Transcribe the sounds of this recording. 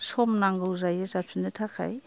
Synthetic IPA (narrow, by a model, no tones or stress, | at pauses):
sɔmnaŋɡɯwzajɯzap̚sinɯtʰakʰa̰j